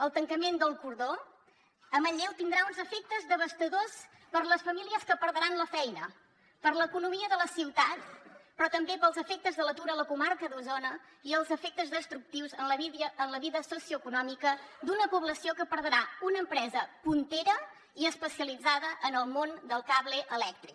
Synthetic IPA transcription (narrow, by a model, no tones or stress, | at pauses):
əlˠt̪əŋkəmend̪əlˠkuɾðo | əməʎɛwt̪ind̪ɾaunzəfek̚t̪əzðəβ̞əst̪əðos | pəɾləsfəmiliəskəpəɾðəɾanləfɛjnə | pəɾləkunumiəðələsiwt̪at̪pɾɔt̪əmbepəlˠzəfek̚t̪əzðələt̪uɾələkumaɾkəðuzonə | iəlˠzəfek̚t̪əzðəst̪ɾuk̚t̪iwzənləənləβiðəsosiuəkunɔmikəd̪unəpuβləsiokəpəɾðəɾaunəːmpɾɛzəpunt̪eɾə | iəspəsiəlid͡zaðəʔənəlˠmond̪əlˠkaβleʔəlɛk̚t̪ɾik̚